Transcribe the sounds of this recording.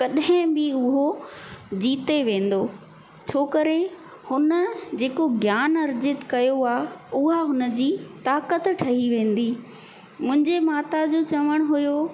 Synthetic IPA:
kɐɗɦɪ̃bɪʊɦo | d͡ʑiːt̪eʋẽːn̆d̪oː | t͡ɕʰoːkəɾe | hʊnə̆d͡ʑeːkoɡjaːnɐɾd͡ʑɪt̪kɐjoaːʊɦaɦʊnə̆d͡ʑiːt̪aːkət̪ʈʰɐɦiʋẽːn̆d̪iː | mʊ̃ɦɪ̃ɲd͡ʑemaːt̪ad͡ʑoːt͡ɕɐʋəɽ̃ʊɦʊjo

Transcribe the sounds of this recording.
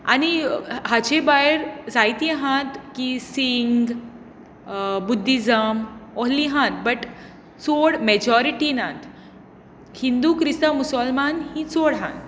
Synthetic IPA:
a̰ñiɦat͡ɕebaeɾd͡zajt̪jẽɦãt̪kisiŋɡ | bud̪ʱːid͡zəmɔɦliɦãt̪̚bəʈ | t͡soɽmɛd͡ʑɔɾiʈinãt̪ | hind̪ukɾist̪əmusəlmanhĩt͡soɽɦã̰nt̪

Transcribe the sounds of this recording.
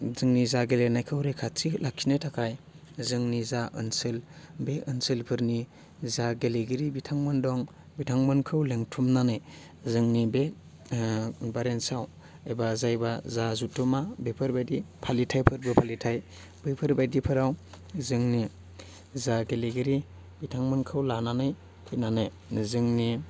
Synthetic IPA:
zɯŋnizaɡelenajkʰɯwɾekʰatilʔakʰinetʰakʰaj | zɯŋnizaɯ̰nsɯlbeʔɯnsɯlpʰɯɾni | zaɡeleɡiɾibitʰaŋmɯndɔŋ | bitʰaŋmɯnkʰɯwleŋtʰumnanɯj | zɯŋnibe | baɾensaw | ebazajbazazutʰːumabepʰɯɾbajdipʰalitʰajpʰɯɾbɯpʰalitʰaj | bɯjpʰɯɾbajdipʰɯɾaw | zɯŋni | zaɡeleɡiɾi | bitʰaŋmɯnkʰɯwlananɯj | kʰinanɯj | zɯŋni

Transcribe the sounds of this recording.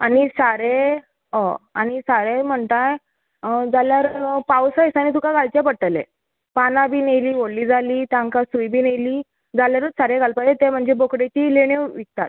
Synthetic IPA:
anisaɾe | ɦə̃añisaɾem̤əɳt̪aj | d͡zaljaɾpawsajsañit̪̬ukaɡalt͡ɕjapəʈəlḛ | panabiːnejliːʋoɽliːd͡zʱaliːt̪ãŋkasujbiːnejliː | d͡zaljaɾəsaɾeɡalpajet̪em̤əɳd͡zebokɽet͡ɕileɳ̃eʋik̚t̪a̰t̪̚

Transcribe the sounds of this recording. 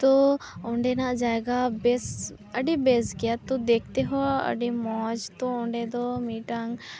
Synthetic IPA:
t̪oʊɳɖenaʔd͡ʒaeɡabes | əɖibesɡijat̪od̪eːk̚ʰt̪eɦɔ̃ə̰ɖimɔːd͡ʒt̪oʊ̃ɳɖed̪omiːʈaŋ

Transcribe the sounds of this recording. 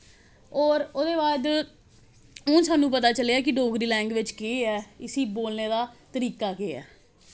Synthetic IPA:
ɔːɾod̪eːbaːd̪ | õːsaːnũːpət̪aːt͡ʃəleaːk̬ɪɖoːɡɾiːlɛ̃ːŋɡʋɪt͡ʃkeːɛːɪsiːboːlneːd̪aːt̪əɾiːkaːkeːɛ̰ː

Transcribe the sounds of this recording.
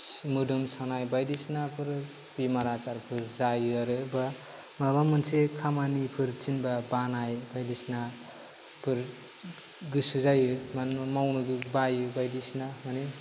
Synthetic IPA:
smɯdɯmsanajbajdisnapʰɯɾ | bimaɾakaɾpʰɯɾzajɯaɾɯba | mabamɯnsʰekʰamanipʰɯɾt͡ʃinbabanajbajdisna | pʰɯɾ | ɡɯsuzajɯmanmawnɯɡɯbajɯbajdisnamani

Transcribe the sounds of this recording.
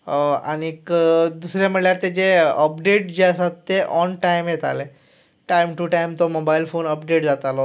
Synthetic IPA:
a̰nikd̪usɾjam̤əɽljaɾt̪ed͡ʑeəpɖeʈd͡ʑesat̪ːeʔɔnʈaimjet̪a̰le | ʈajmʈuʈajimt̪ɔmobailfonəpɖeʈd͡zat̪alɔ

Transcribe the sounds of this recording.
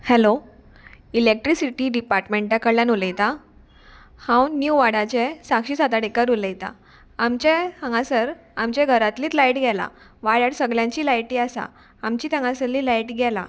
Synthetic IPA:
hɛlo | ilek̚ʈɾisiʈiːɖipaɾʈmeɳʈjakəɽɭljanuləjt̪a | hãwnjuʋaɽat͡ɕesakɕiːsat̪aɽekəɾuləjt̪a̰ | amt͡ɕet̪əŋɡãsəɾ | amt͡ɕeɡʱəɾat̪liːt̪lajʈɡʱɛla̰ | ʋaɭaɽsəɡljãɲt͡ɕiːlajʈiasa̰ | amt͡ɕiːt̪əŋɡãsəɾliːlajʈɡʱɛla̰

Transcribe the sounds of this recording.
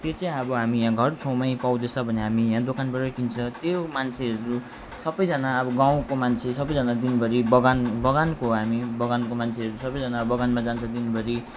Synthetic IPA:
t̪jot͡sʌ̃ĩʌbʌɦamijãɡʱʌrt͡sʰowmʌj̃paw̃d̪esʰʌbʱʌneɦamijãd̪okanbʌrʌkint͡sʰʌ̃t̪jomant͡sʰeɦʌɾu | sʌbʌjd͡zʌnaʌbʌɡãw̃komant͡sʰesʌbʌjd͡zʌnad̪inbʱʌɾibʌɡanbʌɡankoɦamibʌɡankomant͡sʰeɦʌɾusʌbʌjd͡zʌnabʌɡanmad͡zant͡sʰʌd̪inbʱʌɾi

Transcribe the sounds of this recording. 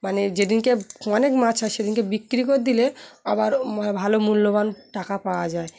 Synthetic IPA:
maned͡ʑed̪inkeɔnekmat͡ɕʰaʃed̪inkebikːɾikoɾd̪ileabaɾmabʱalomulːobanʈakapaoad͡ʑae

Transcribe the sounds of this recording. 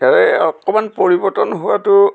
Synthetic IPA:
alɛɔkɔmanpoɹibɔtɔnɦʊwatʊ

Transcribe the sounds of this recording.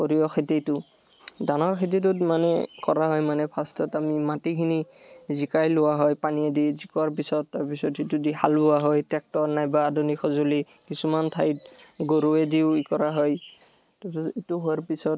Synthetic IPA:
koɹiɔxʰetitʊ | danɔɹkʰet̬it̬ʊtmanɛ̰kɔɹaɦɔjmanɛpʰastʰɔtamimatikʰinizikajlʊwaɦɔjpaniɛdizikɔwaɹp̬isɔtːaɹpisɔtitudiɦalbʊwaɦɔjtɛk̚tɔɹnajbaːdunixʰɔzoli | kisumantʰajt̚ɡoɹuɛdiʊikɔɹaɦɔj | tɔetuɦoaɹpisɔt

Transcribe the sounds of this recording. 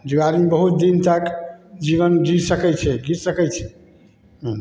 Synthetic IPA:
d͡ʒiaɾimebəɦut̪̚d̪int̪əkd͡ʒiβənd͡ʒisəkɛjt͡ʃʰɛd͡ʒisəkɛt͡ʃʰɛ | ɦ

